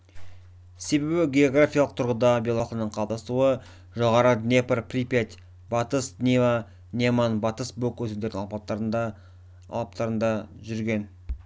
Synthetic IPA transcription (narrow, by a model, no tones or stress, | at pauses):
se̞be̞bɪɡʲe̞o̞ɡrafʲijɑlˠəq̚t̪ʰʊɾʁəd̪ɑbʲelˠolˠqənəɴqʰɑlˠp̚d̪ɑst̪uə | ʒo̞ʁɑɾəd̪nʲepərprʲipet̪ʲ | bɑt̪əsd̪nʲeva | nʲemanbɑt̪əsbokːwɵt̪end̪eɾd̪ɪŋɑlpɑt̪ːɾd̪ | ɑ̰lˠɑp̚t̪ɑɾənd̪ɑʒʏɾɡʲe̞n